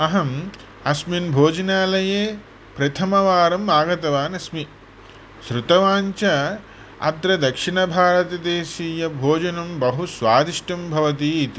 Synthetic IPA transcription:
ɐɦɐm | ɐsminbʱoːd͡ʒɐnaːlɐjeː | pɾɐt̪ʰɐmɐʋaːɾɐmaːɡɐt̪ɐʋaːnɐsmi | ʃɾut̪ɐʋaːɲt͡ʃɐ | ɐ̰d̪ɾɐd̪ɐkʂiɳɐbʱaːɾɐt̪ɐd̪eːʃiːjɐbʱoːd͡ʒɐnɐmbɐɦusʋaːd̪iʂʈɐmbʱɐʋɐt̪̬iːt̪i

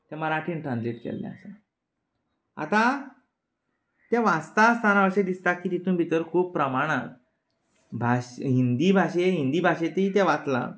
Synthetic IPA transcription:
t̪jaməɾaʈʰiːnʈɾãnsliʈkɛ̰lːɛ̰ə̰sa | a̰t̪a | t̪jaʋast̪ast̪ʰanaʋəɕed̪ist̪akːiːt̪it̪ũːnbʱit̪əɾkʰuːpːɾəmaɽ̃at | bʱaɕɦind̪iːbʱaɕeɦind̪iːbʱaɕet̪eit̪aʋat̪la̰

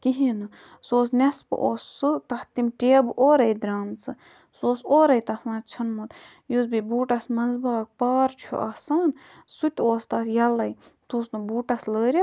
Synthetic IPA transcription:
kiɦinɨ | soːs̬nespɨ̰ʔoːsːɨt̪ɐht̪imʈeːbʔoːɾɐjd̪ɾaːmt͡sɨ | soːsoːɾɐjt̪ɐt̪ʰmɐːt͡ʃʰɐnmut̪ | jusbibuːʈɐsmɐnzbaːk̚paːɾt͡ʃʰṵʔaːsaːn | sut̪ʲoːst̪ajɐlɐj | t̪usnɨbuːʈɐsləːɾʲɐ

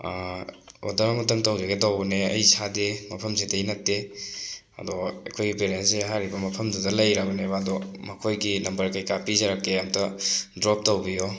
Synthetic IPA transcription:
o̰dɐɾamutɐmtɐwzeɡetawbɐneɐ̰jsademɐpʰɐmsidɐjnɐtːe | ɐ̰dɔa̰kʰojɡipeɾenseɦaɾibɐmɐpʰɐmdudɐlɐjɾabɐnebaːdɔmɐkʰojɡinɐmbɐɾkajkapizaɾakːeamtɐdɾɔp̚towbijɔ

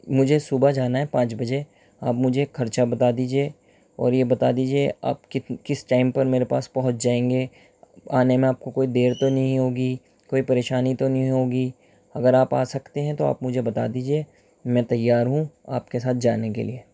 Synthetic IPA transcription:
mʊd͡ʒʱesuːbad͡ʒaːnaɦɛpãːt͡ʃbɐd͡ʒe | aːpmʊd͡ʒʱekʰɐɾt͡ʃabɐt̪ad̪iːd͡ʒieː | ɔ̰ːɾjebɐt̪ad̪iːd͡ʒiea̰ːpkɪkɪsʈaːɪmpɐɾmeːɾepa̰ːspɐɦʊt̪̚ʰd͡ʒaːẽːŋɡe | aːnemẽaːp̚kokoːid̪eːɾt̪onɐɦĩɦoːɡi | koːipɐɾeːʃaːnit̪onɐɦɦĩɦoːɡi | ɐɡəɾaːpaːsɐkt̪eɦɛ̃t̪oa̰ːpmʊd͡ʒʱebɐt̪a̰ːd̪iːd͡ʒie | mɛ̃t̪ɐjːaːɾɦũa̰ːpkesaːt̪̚ʰd͡ʒaːnekḛlieː

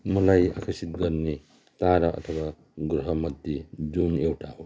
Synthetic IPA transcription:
mʌlaja̰kʰʌsit̪̚ɡʌɾne | t̪aɾʌʔʌ̰t̪ʰʌba | ɡɾʌɦʌmʌd̪jed͡zunewʈaɦo

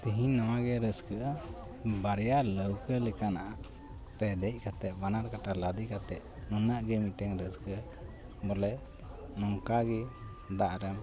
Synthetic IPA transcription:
t̪iɦĩnɔwaɡɛɾəskəʔə | baɾjaləwkəlɛkanaʔa | ɾɛd̪ɛc̚ˀkʰat̪ɛʔ̚banaɾkaʈalad̪ikat̪ɛʔ̚nunəʔɡɛmiʈɛŋɾəskəʔə | bɔlɛ | nɔŋkaɡɛ | d̪aʔɾɛm

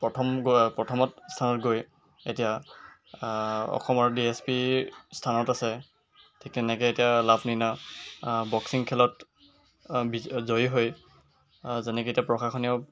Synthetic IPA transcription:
pɹɔtʰɔmɡopɹɔtʰɔmɔtstʰanɔtɡoj | etija | ɔ̰xɔmɔɹdiespistʰanɔtasɛ | tʰiktɛnɛkɛetijalabʰʱnina | bɔksiŋkʰɛlɔt | bizoiɦoj | zɛnɛkietiapɹɔxaxɔniɔ

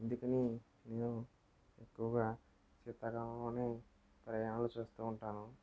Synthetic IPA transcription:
end̪ukɐni | ne̞ːnu | ekːuʋɐɡaː | t͡ʃit̪ːɐɡɐmɐloːne̞ː | pɾɐjaːnɐlot͡ʃuːst̪uːɳʈaːnu

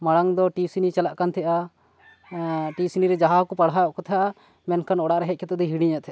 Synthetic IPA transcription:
maɽaŋd̪ɔʈisinit͡ʃalaʔkant̪ʰɛʔa | ʈisiniɾɛd͡ʒaɦakɔpaɽajɔʔkɔt̪ʰaʔa | mɛnkanɔɽaʔɾɛɦɛc̪̚kʰɛt̪ɔd̪ɛɦiɽiɲɛʔ̪t̪ʰʔa

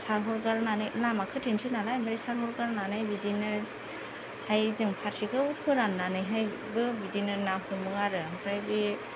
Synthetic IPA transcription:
saɾɦɔɾɡaɾnanɯjlamakʰɯtʰensʰinalajmaɾisaɾɦɔɾɡaɾnanajbidinɯs | hajzɯŋpʰaɾsikʰɯukʰɯɾanːanɯjɦaj | bɯbidinɯnaɦumɯŋaɾɯmkʰɾajbi

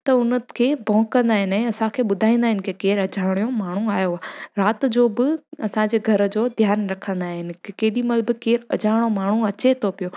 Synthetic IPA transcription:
t̪ɐʊnəkʰeːbɔ̃ːkːɐ̃nd̪aːɦɪnɛ̃ːɐsãkʰeːɓʊd̪ʱaːĩːnd̪aːɦɪnɪ̆kʰekeːɾɐd͡ʑʱaːʋɽ̃ijomaːɳ̤uaːjoaːɾaːt̪d͡ʑoːbɪɐsãd͡ʑeːɡʱɐɾə̆d͡ʑoːd̪ʱjaːɾnɾɐkʰə̃nd̪aːɦɪnɪ̆keːɗimɐlbɪkeːɾɐ̰d͡ʑʱaːʋɽ̃omaːɳ̤uɐt͡ɕet̪ʰopijo

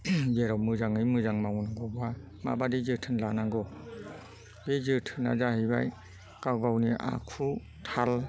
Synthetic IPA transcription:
beɾɔmɯzaŋɯjmɯzaŋmawnaɡɔba | ma̰badizɯtʰɯnlanaŋɡɔ | bezɯtʰɯna̰zaɦɯba̰j | kawɡawniʔa̰kʰu | tʰal

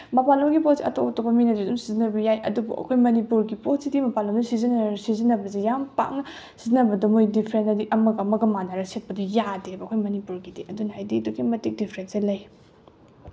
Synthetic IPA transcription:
mɐpaloɡipot̚siʔɐ̰totɐbɐminɐzidumsizinɐbɐjajʔɐ̰dubṵʔɐ̰kʰojmɐnipuɾɡipotsidimɐpalomdusizinsizinɐbɐzijampa̰k̚nɐ | sizinɐbɐdɐmojdipʰɾensɐdiʔɐmɐɡamɐɡɐmanaɾɐset̚pɐdɐjadebɐkʰojmɐnipuɾɡidiʔɐdunɐhajdiduɡimɐtik̚dipʰɾenselɐj

